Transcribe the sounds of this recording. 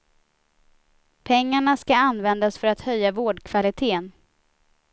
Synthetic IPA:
pʰɛŋːaɳaskaanvɛnd̪asfœɾat̪hœjːavoːɖkʰv̥alɪt̪ʰeːən

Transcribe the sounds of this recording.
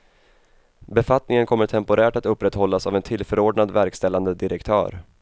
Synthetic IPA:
bɛfat̪nɪŋənkʰɔmːəʈʰɛmpʊɾʔæːʈat̪ɵpːɾɛt̪ːhɔlːasavɛnt̪ʰɪlfœɾoːɖɳad̪væɾkst̪ɛlːand̪əd̪ɪɾɛkt̪ʰœ̰ːɾ

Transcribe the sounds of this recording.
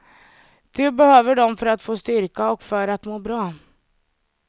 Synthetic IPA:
d̪̥ɵbɛhøːvəɖɔmfœɾat̪foːst̪ʏɾkaɔkfœɾat̪moːbɾɑː

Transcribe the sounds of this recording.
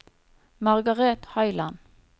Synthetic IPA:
mɑʁɡɑʁɛːt̪hœʏlɑn

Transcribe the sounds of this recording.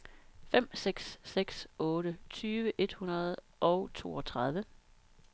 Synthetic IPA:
fem̰seɡ̥sːeɡ̥sɔ̽ːɾət͡sʰyːʋəʔe̝d̥hunɐð̞̩ˠ | ʔɒ̽ʊt͡sʰo̝̰ːɒ̽t͡sʰʁɑð̞ˠʋə

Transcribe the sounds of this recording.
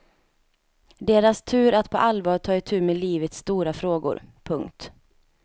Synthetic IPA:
d̪eːɾast̪ʰʉ̟ːɾat̪pʰɔ̰ʔalvɑːʈ̪ʰɑːɪt̪ʰʉ̟ːmeːliːvət̪st̪uːɾafɾoːɡʊ̰ɾpʰɵŋkt̪

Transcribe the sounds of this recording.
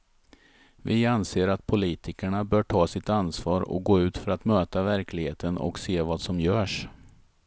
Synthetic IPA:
vɪanseːɾat̪̚pʰʊliːt̪ʰɪkəɳabœːʈʰɑːsɪt̪ansvɑːɾɔ̰k̚ɡoːʉ̟ːt̪fœɾat̪møːt̪avæɾklɪɡheːt̪ənɔ̰kseːvaːd̪sɔmjœːʂ

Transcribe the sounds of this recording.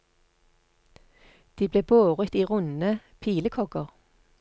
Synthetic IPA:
d̪̥iːbleːboːʁət̪iːʁʊnəpʰiːləkʰɔɡəʁ

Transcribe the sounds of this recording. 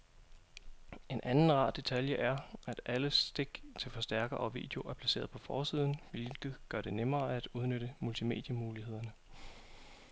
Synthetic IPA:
e̝nʔænn̩ʁɑ̰̈ːd̥e̝t͡sʰæljəʔæɐæd̥æləsd̥e̝ɡ̥t͡sʰe̝lfɒ̽sd̥æɐɡ̥ɐʔɒʋḭːd̥e̝o̝ʔæɐpʰlæse̝̰ːɐð̞̩ˠpʰɒ̽fɒːsiːð̞ˠn̩ʋe̝lɡ̥ð̩ˠɡ̥ɶɐd̥e̝nemɐːæd̥uð̞ˠnøɾ̥əmult͡sʰime̝̰ːd̥jəmuːliɦe̝ð̞̰ˠɐnə

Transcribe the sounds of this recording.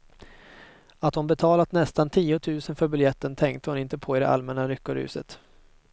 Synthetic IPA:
at̪hʊnbɛt̪ʰɑːlat̪nɛst̪ant̪ʰiːʊt̪ʰʉ̟ːsənfœɾbɵljɛt̪ːənt̪ʰɛŋk̚t̪əhʊnɪnt̪əpʰɔɪd̪ɛ̰ʔa̰lmɛnːaɾʏkːʊɾʉ̰ːsə̰t̪

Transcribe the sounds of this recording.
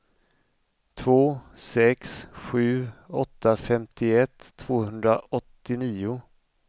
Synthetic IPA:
t̪ʰvoːsɛksɧʉ̟ːɔt̪ʰːafɛmt̪ɪɛt̪ʰːv̥oːhɵnd̪ɾaʔɔt̪ːɪniːʊ

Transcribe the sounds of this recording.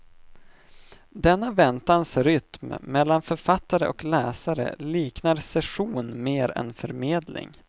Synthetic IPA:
d̪ɛnːavɛnt̪ansɾʏt̪mmɛlːanfœɾfat̪ːaɾəʔɔklɛːsaɾə̰liːknaɾsɛɧuːnmeːɾɛ̰nfœɾmeːd̪lɪ̰ŋ

